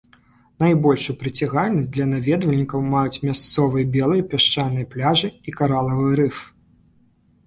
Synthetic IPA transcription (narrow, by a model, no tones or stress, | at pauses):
najbɔlʲʂujupɾɨt͡sʲaɣalʲnɐsʲd̪lʲɐnavʲɛd̪vɐlʲnʲikɐwmajut͡sʲmʲast̪sɔvɨjɐbʲɛlˠɨjɐpʲaʂt͡ʂanɨjɐplʲaʐɨikaɾalˠɐvɨɾɨf